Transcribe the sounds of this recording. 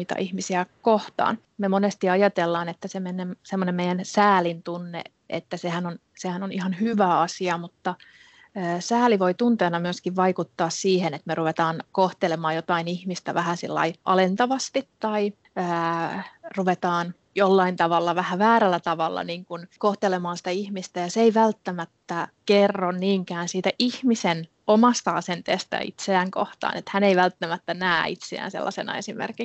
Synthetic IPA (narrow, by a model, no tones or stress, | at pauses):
it̪ɑ̰ʔihmisiækoht̪ɑ̰ːn | memonest̪iɑjɑt̪elːɑːnet̪ːæsemenemsemːonemmeijænsæːlint̪unːḛ | ʔḛt̪ːæsehænon | sehænonihɑnhyʋæɑsiɑmut̪ːɑ | əːsæːliʋoit̪unt̪eːnɑmyøskiʋʋɑikut̪ːɑːssiːhenet̪meruʋet̪ɑːnkoht̪elemɑːjot̪ɑinihmist̪æ̰ʋæhænsḭlːɑ̰iʔɑ̰lent̪ɑʋɑst̪it̪tɑi | əː | ruʋet̪ɑːn | jolːɑint̪ɑʋɑlːɑʋæhæʋæːɾælːæt̪ɑʋɑlːɑ̰niːŋkunkoht̪elemɑːnsi̥t̪æihmist̪æjɑseeiʋælt̪ːæmæt̪ːækerːonniːŋkæːnsiːt̪æʔihmisen | omɑst̪ɑɑsent̪eːst̪æ̰ḭt̪seæŋko̰ht̪ɑ̰ːnet̪hæneiʋælt̪ːæmæt̪ːænæːit̪sḛæ̰ːnsḛlːɑsenɑ̰esimḛrki